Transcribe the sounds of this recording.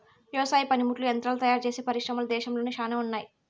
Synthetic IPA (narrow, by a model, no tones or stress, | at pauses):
jɔʋsaːjipɐnimuʈluent̪ɾɐlt̪ɐjaːɾt͡ʃeːseːpɐɾiʂɾɐmɐlud̪ɛːʃɐmlo̞ːnikʂaːnɐmunːaːji